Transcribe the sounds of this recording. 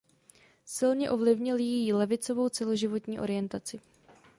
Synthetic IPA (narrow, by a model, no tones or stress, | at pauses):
sɪlɲɛʔo̞vlɪvɲɪljɛjilɛvɪt͡so̞vo̞wt͡sɛlo̞ʒɪvo̞t̪ɲiːʔo̞ɾɪjɛnt̪at͡sɪ